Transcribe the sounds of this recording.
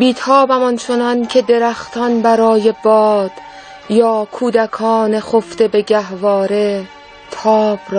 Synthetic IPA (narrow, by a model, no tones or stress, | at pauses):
biːt̪ʰɒːbæmɒnt͡ʃʰonɒncʰe̞d̪e̞ɾæxt̪ʰɒːnbæɾɒːje̞bɒːd̪̥ | jɒːkʰuːd̪ækʰɒːnexoft̪e̞be̞ɡæhvɒːɾe̞ | t̪ʰɒːb̥ɾɒː